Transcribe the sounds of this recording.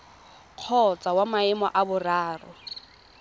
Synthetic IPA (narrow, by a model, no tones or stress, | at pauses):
q͡χʰɔt͡sawamaɪmɔ̰ʔabʊraːrɔ